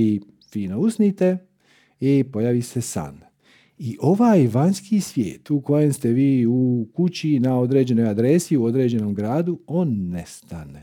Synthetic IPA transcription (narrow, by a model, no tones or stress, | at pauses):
i | fiːno̞usnit̪e̞ | ipo̞jaʋise̞sa̰n | iʔo̞ʋaːjʋanskisʋjḛːt̪uko̞je̞mst̪e̞ʋiːukut͡ɕinao̞d̪ɾe̞ːd͡ʑe̞no̞jad̪ɾe̞siuo̞d̪ɾe̞ːd͡ʑe̞no̞mɡɾaːd̪uoːnːe̞st̪ane